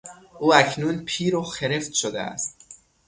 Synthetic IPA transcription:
ʔuːæcʰnuːnpʰiːɾoxeɾe̞ft̪ʃod̪ḛæ̰st̪̚

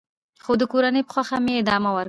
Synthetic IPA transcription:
xod̪əkoɾanəjpə̥xwaxameːd̪ɑmawəɾ

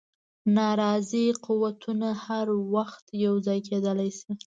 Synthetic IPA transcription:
nɑɾɑziquwat̪ʰunahaɾwaxt̪jawd͡zɑjked̪əlajsi

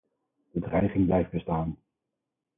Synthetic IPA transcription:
d̥ədrɛjχɪŋblɛjfd̚bəstaːn

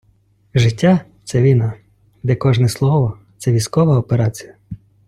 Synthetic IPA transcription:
ʒɪtʲːat̪sɛʋʲinɐ | d̪ɛkɔʒnɛslˠɔʋɔt̪sɛʋʲisʲkɔʋɐɔpeɾɑt͡sʲijɐ

